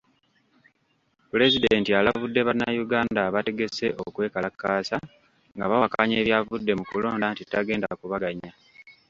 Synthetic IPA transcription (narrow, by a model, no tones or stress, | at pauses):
pule̞zide̞ntialavudːe̞βanajuɡaːndaβate̞ɡe̞se̞̰ʔokwe̞ːkalakːaːsa | ŋɡaβawakaɲe̞ːβjavudːe̞mukulo̞ːndantitːaɡe̞ːnda̰kuβaɡaɲa